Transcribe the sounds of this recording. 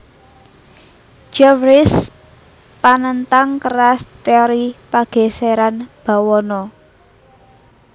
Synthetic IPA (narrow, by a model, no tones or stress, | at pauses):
d͡ʒɛfɾɪs | panənt̪aŋkəɾast̪eɔɾipaɡ̥e̤seɾanb̥a̤wɔnɔ